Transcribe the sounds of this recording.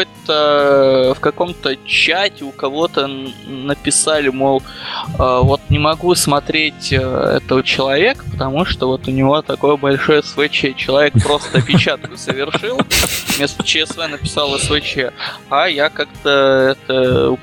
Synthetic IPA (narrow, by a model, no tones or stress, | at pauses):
ojt̪ə | fkɐko̞mt̪ət͡ɕːatʲɪʊkɐvo̞t̪ənəpʲɪsalʲɪmolˠəvo̞t̪nʲɪmɐɡusmɐt̪ɾʲetʲə̰ɛ̰t̪əvət͡ɕɪlˠɐvʲe̞kə̥pə̥t̪ɐmuʂt̪ovo̞t̪ʊnʲɪvo̞t̪ɐko̞jəbɐlʲʂo̞jəsvɨt͡ɕeət͡ɕɪlˠɐvʲe̞k̚pɾo̞st̪əɐpʲɪt͡ɕat̪̚kʊsəvʲɪrʂʂɨlˠmʲest̪ə̥t͡ɕɪɛsvɛnəpʲɪ̥salˠəsvɨt͡ɕəajakakt̪əɛt̪ə